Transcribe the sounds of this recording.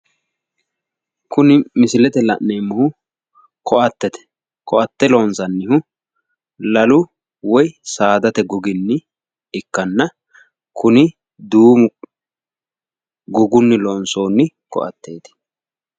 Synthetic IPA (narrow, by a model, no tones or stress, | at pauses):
kʊnɪmɪsɪlɛt̪ɛlɐ̰ʔnejmːʊhʊ | kʰɔʔɐt̪ːɛt̪ɛ̥ | kɔʔɐt̪ːɛloːnsɐnːɪhʊ | lɐlʊ | wɔjsaːd̪ɐt̪ɛɡʊɡɪnːɪ | ɪkːɐnːɐ | kʊnɪ | d̪uːmʊ | ɡʊɡʊnːɪloːnso̞ːnːɪ | kɔ̰ʔɐ̰t̪ːeːt̪ɪ̥